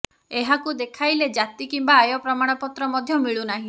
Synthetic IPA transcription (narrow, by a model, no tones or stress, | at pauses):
eɦakud̪ekʰajled͡ʒat̪ikimbaːjɔpɾɔmaɽ̃ɔpɔt̪ɾɔmɔd̪ʱjɔmiɭunaɦĩ